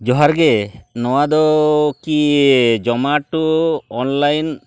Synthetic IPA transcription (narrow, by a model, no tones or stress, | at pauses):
d͡ʒɔɦaɾɡenɔwad̪ɔkid͡ʒɔmaʈuɔnlajn